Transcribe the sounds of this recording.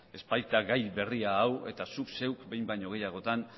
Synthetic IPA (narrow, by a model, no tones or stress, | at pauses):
e̞spajt̪aɣajβe̞riaːwe̞t̪asukse̞wkbe̞jmbajɲo̞ɣ̞e̞jaɣ̞o̞t̪an